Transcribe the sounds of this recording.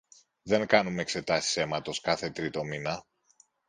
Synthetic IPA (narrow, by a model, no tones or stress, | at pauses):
ðe̞ŋkɐnumeekse̞t̪ɐsi̥se̞mɐt̪o̞skɐθe̞t̪ɾit̪o̞minɐ